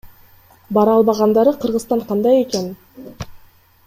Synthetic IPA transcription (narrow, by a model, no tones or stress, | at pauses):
bɑɾɑlˠβɑʁɑnd̪ɑɾɯqʰɯɾʁɯzt̪ɑɴqʰɑnd̪ɑje̞ke̞n